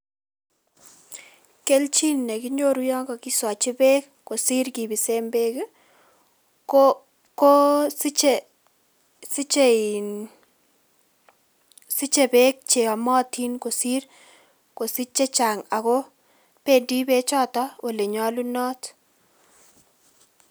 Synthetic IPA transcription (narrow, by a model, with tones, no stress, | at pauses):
ke˦lt͡ʃi˦nːɛ˨ki˦ɲo˦ɾu˦jɔ˦ŋɡɔ˨ki˦swa˨t͡ʃɪ˦be˦kːo˨si˦rki˨bi˨se˦mbe˦k | ko˦i˦t͡ʃe˨ | si˦t͡ʃe˦in | si˦t͡ʃe˨be˦k̚t͡ʃe˨ɔ˨mɔ˦tʰi˦nko˨si˦r | ko˨si˦t͡ʃe˦t͡ʃa˨ŋa˨kɔ˦ | pe˨di˦be˦t͡ʃɔ˦tɔ˦wʔo˨le˨ɲɔ˦lu˦nɔ˦t